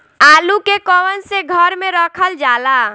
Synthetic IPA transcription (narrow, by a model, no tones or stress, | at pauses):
alukekɔwənseɡʱəɾmeɾəkʰəld͡ʒala